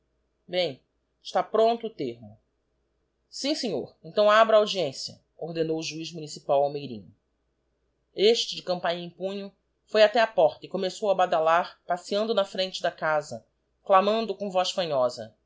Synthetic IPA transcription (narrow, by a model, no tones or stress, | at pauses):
bẽj̃ | ɪʃt̪apɾõnt̪ʊːt̪eɾmʊ | sĩseɲo̰ɾẽnt̪ɐ̃w̃abɾɐawd͡ʒiẽsiɐ̰ | oɾd̪enowʊʒuizmunisipawawmejɾḭ̃ɲʊ | eʃt͡ʃɪd͡ʒɪkɐ̃mpãɲẽj̃pũɲʊ | fojat̪ɛɐpɔχt̪ɐɪkomesowɐbad̪alaɾpasiɐ̃nd̪ʊnɐfɾẽt͡ʃɪd̪ɐkazɐ | klamɐ̃nd̪ʊkõvɔsfɐ̃ɲɔzɐ̰